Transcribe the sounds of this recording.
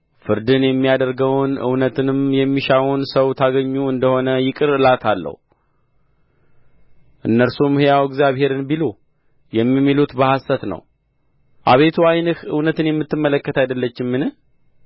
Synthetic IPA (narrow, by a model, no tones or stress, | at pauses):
fɨɾd̪ɨnjɛmːijad̪əɾɡəwnʔɨ̰wnət̪ʰɨnɨmjɛmːiʃawunsəwt̪ʰaɡəɲːuɨnd̪əho̞nəjɪkʼɨɾɨlat̪ʰalːə̰hu | ʔɨnːəɾsumɨhɨjawɛɡzjaβhe̞ɾɨnbilo | jɛmːimːilut̪bəhasət̪nə̰w | ʔa̰βe̞t̪ʰuajnɨhɨ̰wnət̪ɨnjɛmːɨt̪ːɨmːələkːət̪ʰajd̪əlːət͡ʃːɪmːɨnɨh